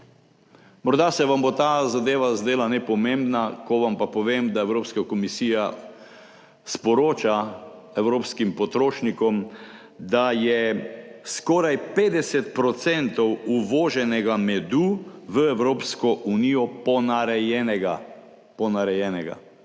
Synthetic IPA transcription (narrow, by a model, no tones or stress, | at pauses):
mɔɾd̪asɛʋambot̪aːzad̪eːʋazd̪eːlanɛpɔmẽmbnakɔʋampapɔʋeːmd̪aɛwɾoːpskakɔmisiːja | spɔɾoːt͡ʃa | ɛwɾoːpskimpɔt̪ɾoːʃnikɔm | d̪ajɛskɔːɾajpeːd̪ɛsɛt̪̚pɾɔt̪sɛnt̪ɔwuʋɔːʒɛnɛɡamɛd̪uʋəɛwɾoːpskɔʔunijɔpɔnaɾɛjɛnɛɡa | pɔnaɾɛjɛnɛɡa̰